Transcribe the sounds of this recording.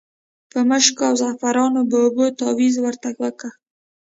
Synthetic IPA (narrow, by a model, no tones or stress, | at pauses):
pəməʃkoawzafaɾɑnobəːbot̪ɑwizwəɾt̪aɡwəka